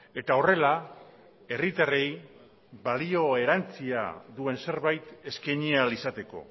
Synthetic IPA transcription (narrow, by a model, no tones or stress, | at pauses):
e̞t̪ao̞re̞la | e̞rit̪are̞j | βalio̞e̞ɾant͡sia̰ðue̞nse̞ɾβajt̪e̞skaɲialisat̪e̞ko̞̰